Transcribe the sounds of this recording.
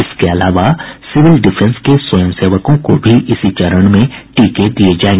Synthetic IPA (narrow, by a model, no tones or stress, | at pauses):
ɪskeɐlaːʋasɪʋɪlɖɪpʰɛ̃nskeswɐjə̃mseːʋəkõkobʱiʔɪsit͡ʃɐɾəɽ̃mẽʈiːked̪ied͡ʒaːẽŋɡe